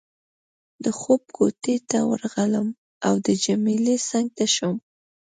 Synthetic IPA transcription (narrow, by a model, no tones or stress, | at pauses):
d̪əxob̚kʰot̪et̪awə̰ɾɣaləm | awd̪əd͡ʒamilesaŋɡ̚t̪aʃəm